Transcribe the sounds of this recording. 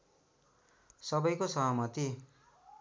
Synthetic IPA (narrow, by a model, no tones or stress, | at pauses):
sʌbʌjkosʌɦmʌt̪i